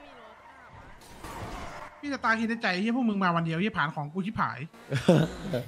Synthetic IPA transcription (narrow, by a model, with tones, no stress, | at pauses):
pʰiː˥˩sa˨˧˩t̪aː˧kʰiː˧nda˧˥˩t͡ɕa˨˧˩jji˥˩pʰuː˥˩mɯ˧ŋmaː˧wa˧ndi˧əwi˥˩pʰaː˩˦nkʰɔː˩˦ŋkuː˧t̪ʰiː˥˩pʰa̰ː˩˦j